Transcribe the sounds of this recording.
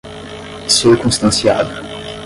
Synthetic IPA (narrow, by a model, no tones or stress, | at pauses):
siʁkɔ̃st̪ɑ̃sjabl